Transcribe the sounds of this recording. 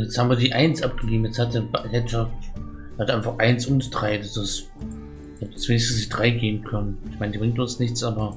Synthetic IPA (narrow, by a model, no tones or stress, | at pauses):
jɛt͡shaːbmviɐdiːʔaɪnsʔap̚ɡ̥əɡeːbm̩jɛt͡shatəblɛɐ | hatəʔaɪnfaχʔaɪnsʔʊnsd̥ʁaɪdasɪs | ɛd̥ḁsv̥eːnɪçsn̩snɪçd̥ʁaɪɡeːbm̩kʰœnənɪçmaɪnədiːbʁɪŋ̚tʊnsnɪçt͡sʔaːbɐ